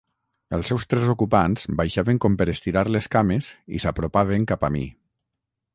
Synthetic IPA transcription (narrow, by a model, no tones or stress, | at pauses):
əlˠsːɛwst̪ɾɛzukupanz̥bajʃaβeŋkɔmpəɾəst̪iɾaɾleskamezḭsapɾopaβ̞eŋkapamḭ